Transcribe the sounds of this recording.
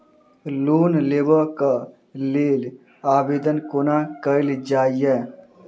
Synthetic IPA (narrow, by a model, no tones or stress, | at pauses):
loːnleːbəka | leːl | aːbeːd̪ənkoːnaːkəild͡ʒaːijɛː